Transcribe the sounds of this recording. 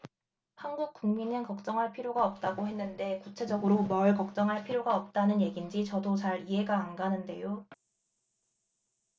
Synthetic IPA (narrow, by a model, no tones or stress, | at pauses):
hanɡuk̚k͈uŋminɯnkʌk̚t͡ɕ͈ʌŋɦaɭpʰiɾjoɡaʌp̚t͈aɡoɦe̞nːɯnde̞kut͡ɕʰe̞d͡ʑʌɡɯɾomʌɭkʌk̚t͡ɕ͈ʌŋɦaɭpʰiɾjoɡaʌp̚t͈anɯnje̞ɡind͡ʑit͡ɕʌdot͡ɕaɾiɦe̞ɡaːnɡanɯnde̞jo